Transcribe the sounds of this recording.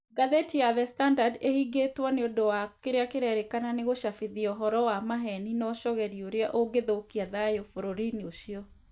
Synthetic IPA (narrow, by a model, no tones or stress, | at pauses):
ɡaðetiaðɛstandadehiɡetwaneodowakeɾeakeɾɛɾekananeɣoʃafeðiɔɦɔɾɔwamaɦɛninɔʃɔɣɛɾioɾeaʔoɡeðokiaðajofoɾoɾinioɕiɔ